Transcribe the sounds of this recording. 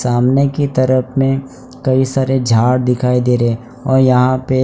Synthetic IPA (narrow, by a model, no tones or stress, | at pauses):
saːmnekit̪ɐɾəpʰmẽ | kɐisaːɾed͡ʒʱaːɽd̪ɪkʰaːid̪eːɾe | ɔːɾjɐɦãpe